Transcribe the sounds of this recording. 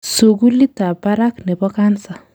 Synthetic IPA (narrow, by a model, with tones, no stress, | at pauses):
so˨ɡu˦li˦t̪a˨ba˦ɾa˦knɛ˨bɔ˦ka˦nsa˨